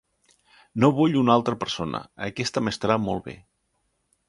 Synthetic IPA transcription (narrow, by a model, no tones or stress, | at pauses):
noβuʎunalˠt̪ɾəpəɾsonʔə̰əkɛst̪əməst̪əɾamolˠβḛ